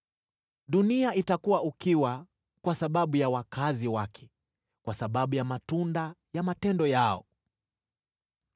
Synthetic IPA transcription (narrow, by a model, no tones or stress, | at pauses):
ɗuniaitakuwaukiwa | kwasaɓaɓujawakaziwakʰɛ̥ | kwasaɓaɓujamatundajamatɛndɔjaɔ̰